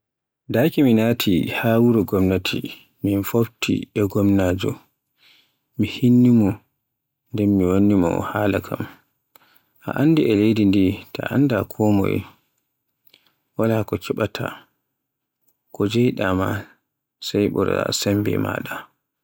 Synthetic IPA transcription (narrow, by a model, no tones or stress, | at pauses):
daːkiminaːtʰihaːwuɾɔɡɔmnatʰḭ | minfobtḭɛɡɔmnaːd͡ʒɔ | mihinːimɔ | ndɛnmːiwonːimɔ̰haːlakʰa̰m | ʔa̰ʔandiɛlejdindita̰ʔa̰ndakʰɔmɔ̰j | walakɔkʰɛɓatʰa̰ | kɔd͡ʒɛjɗama̰ | sajɓɔ̰ɾa̰sɛmbɛ̰ma̰ːɗa